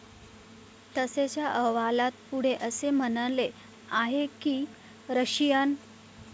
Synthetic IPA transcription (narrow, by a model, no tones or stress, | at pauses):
t̪əset͡ɕjaʔəɦʋalat̪̚puɽ̤eʔəsem̤ənəle | aɦekiː | ɾəɕijan